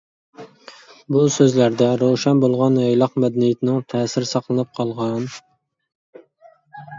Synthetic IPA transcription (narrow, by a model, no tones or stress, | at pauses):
busøzlæɾd̪ɛɾowʃɛnbolˠʁɑnejlˠɑqmɛd̪ɛnijɪt̪ʰɪnɪŋt̪ʰɛːsɪɾɪsɑqlˠɨnɨp̚qʰɑlˠʁɑn